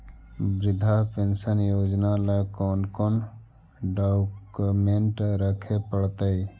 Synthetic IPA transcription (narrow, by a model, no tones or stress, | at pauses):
bɾɪd̪ʱapensənjoːd͡ʒnalakɔːnkon | ɖakmeɳʈɾəkʰepəɽt̪əi